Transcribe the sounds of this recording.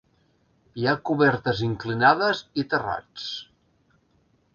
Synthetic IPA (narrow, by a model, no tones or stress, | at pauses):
jiakuβɛɾt̪əziŋklinaðəzit̪əra̰t͡s